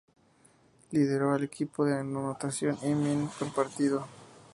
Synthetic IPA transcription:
liðe̞ɾoalekipoðenonot̪asjonʔeminkompaɾt̪iðo

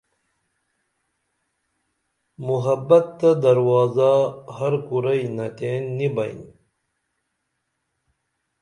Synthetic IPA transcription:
muɦɐbɐt̪ːɐd̪ɐɾwɑːzahɐɾkuɾɐjnɐt̪eːnːibɐj̰n

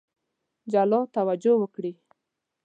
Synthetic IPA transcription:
d͡ʒalɔt̪awad͡ʒowəkɽi

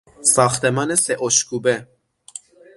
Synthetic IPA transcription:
sɑxt̪ɛmɑnesɛʔoʃkubɛ

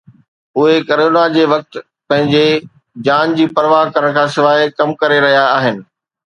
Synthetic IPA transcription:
ʊɦekɐɾoːnad͡ʑeːʋɐk̚t̪ | pɐ̃ɦɪ̃ɲd͡ʑe | d͡ʑaːnd͡ʑiːpɐɾʋaːɦkɐɾəɽ̃kʰãːsɪʋaːikɐmkɐɾeɾɐɦijaːɦɪnɪ̆

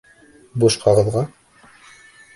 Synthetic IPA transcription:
boʃqʰɑʁɤ̆ðʁɑ

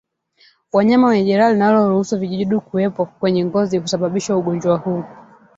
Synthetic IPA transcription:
waɲamawaɛʄɛɾalinalɔɾuhusuviʄiʄiɗikuwɛpɔkwɛɲɛŋɡɔzikusaɓaɓiʃauɠɔnd͡ʒwahuː

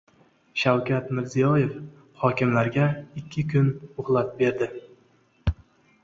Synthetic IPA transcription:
ʃawkʲat̪mɪɾzijɒje̞f | hɒkʲɪmlaɾɡʲaɪkʲʰːɪkʲʰʊnʊhlˠat̪̚be̞ɾd̪ɪ

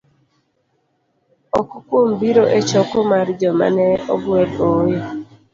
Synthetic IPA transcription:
ɔkɔkombiɾoʔet͡ʃɔkomard͡ʒɔma̰nɛɔ̰ɡwedoje

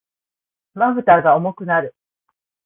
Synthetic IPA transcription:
maβɯ̟t̪aːɡaomo̞kɯ̟naɾɯ̟

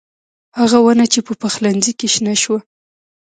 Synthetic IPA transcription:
haɣawanat͡ʃepəpaxlanzikeʃnaʃwa

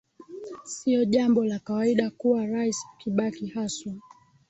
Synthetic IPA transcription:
siɔʄambɔlakawaiɗakuwaɾaisukiɓakihasa

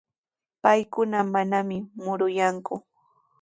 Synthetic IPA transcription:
pajkʊnamanamɪmʊɾʊjaŋkʊ

